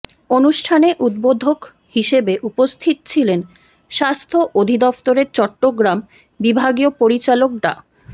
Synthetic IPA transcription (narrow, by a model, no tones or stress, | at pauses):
onuʃʈʰaneʔud̪̚bod̪ʱok | hiʃebeʔupost̪ʰit̪t͡ɕʰilen | ʃast̪ʰoʔod̪ʱid̪ɔft̪oɾeɾt͡ɕɔʈːoɡɾam | bibʱaɡiopoɾit͡ɕalok̚ɖa̰